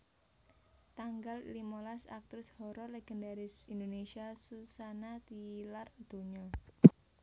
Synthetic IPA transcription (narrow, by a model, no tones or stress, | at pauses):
t̪aŋɡal̰limɔlasa̰k̚t̪ɾɪshɔɾɔleɡ̥ɛndaɾɪsindonesiasusanat̪ilard̪̥o̤ɲɔ